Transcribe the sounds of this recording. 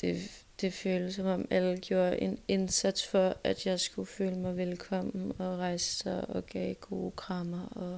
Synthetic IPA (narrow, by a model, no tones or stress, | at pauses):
d̥e̝ | d̥e̝føːləsɒmɒ̽mælɡ̥jo̝ːɐʔe̝ne̝nsæd̥sfɒæd̥jɑ̈ɪsɡ̥uføːləmɑ̈ɪʋelkʰɒ̽m̰n̩ɒ̽ʁɑ̈ɪsə̥sɑɪʔɒ̽ɡ̥ɛ̰ːɡ̥o̝̰ːkʰʁɑ̈mɐɒ